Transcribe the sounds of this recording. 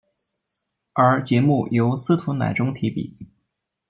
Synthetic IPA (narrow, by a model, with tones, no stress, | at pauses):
ə˞˧˥t͡ɕjɛ˧˥mu˥˩jo˧˥ʊsɹ̩˥t̪ʰu˧˥na̰˨˩ɪʈ͡ʂʊ˥ŋt̪ʰi˧˥pḭ˨˩˦